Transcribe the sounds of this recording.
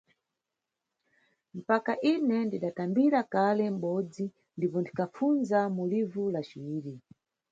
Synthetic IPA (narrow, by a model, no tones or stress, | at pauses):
m̩pakaʔinɛndiɗatambiɾakalɛm̩ɓɔd͡zi | ndipɔndikʰafund͡zamulivulat͡ʃiiːɾi